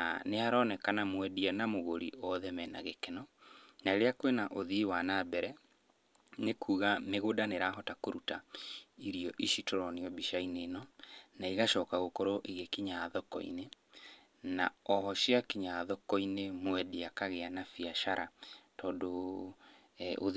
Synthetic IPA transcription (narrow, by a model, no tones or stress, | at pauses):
aneaɾɔnɛkanamwɛdianamoɣoɾḭɔðɛmɛna̰ɣekɛnɔnaeɾeakwenaʔoðiwanabɛɾɛ | nekuːɣameɣodaneɾaːɦɔtakoɾutaiɾiɔʔiʃitoɾɔniɔbiʃaineːnɔnaiɣaʃɔkaɣokoɾoʔeɣekiɲaðɔkɔ̰ḭne | na̰ɔɦɔʃiakiɲaðɔkɔinemwɛdiakaɣeanafiaʃaɾʔatɔːndo | ʔo